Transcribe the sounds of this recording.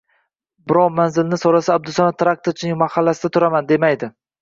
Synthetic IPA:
bɪɾɒwmanzɪlnɪsoɾasaːb̚d̪ʊsamat̪ɾak̚t̪oɾt͡ʃʰɪnɪŋmahalːasɪd̪at̪ʰʊɾamand̪e̞majd̪ɪ

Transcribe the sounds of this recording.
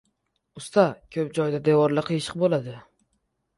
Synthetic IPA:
ʊst̪ʰakʲʰɵp̚d͡ʒɒjd̪ad̪ewɒɾlɪqʰɨjɪʃɪ̥qbolad̪ɪ

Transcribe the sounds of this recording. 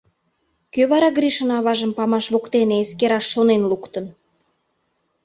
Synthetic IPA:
køβɑɾɑɡɾiʃənɑβɑʒəmpɑmɑʃβokt̪eneeskeɾɑʃːonenlukt̪ən

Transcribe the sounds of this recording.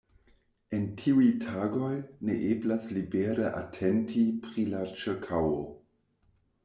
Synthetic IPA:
e̞ntʰiujtʰaɡo̞jneʔeblaslibeɾəʔa̰tʰentʰipɾilat͡ʃekʰawo

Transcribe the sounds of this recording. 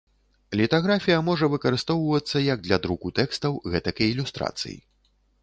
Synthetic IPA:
lʲit̪aɣɾafʲijɐmɔʐɐvɨkɐɾɨst̪ɔwvɐt̪sːɐjɐɡ̚d̪lʲad̪ɾukut̪ɛkst̪ɐwɣɛt̪ɐkɐilʲust̪ɾa̰t̪sɨ̰jḭ

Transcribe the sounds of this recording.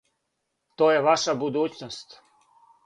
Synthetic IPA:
t̪oːjeʋaʃabud̪uːt͡ɕnost̪

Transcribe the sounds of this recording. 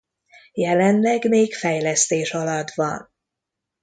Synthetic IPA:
jɛlɛnlɛɡmeːkfɛjlɛst̪eːʃɒlɒd̪vɒ̰n

